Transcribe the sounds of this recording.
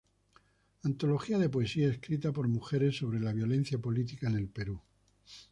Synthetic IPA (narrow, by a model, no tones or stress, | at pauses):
ant̪o̞lo̞xiaðe̞poe̞siaeskɾit̪apo̞ɾmuxe̞ɾe̞sːo̞β̞ɾe̞laβjo̞le̞n̟θjapo̞lit̪ikaene̞lpe̞ɾu